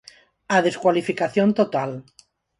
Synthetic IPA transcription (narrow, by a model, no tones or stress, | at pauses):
aðeskwalifikaθjont̪ot̪al